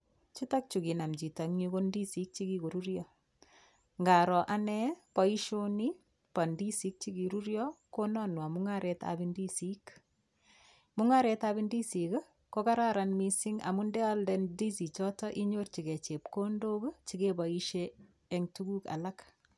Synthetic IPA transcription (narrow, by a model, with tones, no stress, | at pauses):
t͡ʃi˦ta˦k̚t͡ʃu˨ɡi˨na˨md͡ʒi˨ta˨ŋɲikondi˦si˦k̚t͡ʃi˦ɡi˦ko˨ɾuɾjɔ | ŋɡa˨ɾɔ˨ʔa˦nɛ˦pa˦iʃo˦ni | pa˨ndi˦si˦k̚t͡ʃi˦ɡi˨ɾuɾjɔko˦nɔ˦nwa˨muŋaɾʔɛta̰bindisik | mu˦ŋaɾetabindi˦si˨k | koka˦ɾaɾanmisiŋa̰˨mundɛ˦a˦ldɛndi˦si˨t͡ʃɔtɔ˦ʔi˦ɲort͡ʃi˨ɡe˨t͡ʃep̚ko˦ndo˦ɡt͡ʃi˦keba˨iʃeː | ŋtuɡu˦ka̰˨la˦k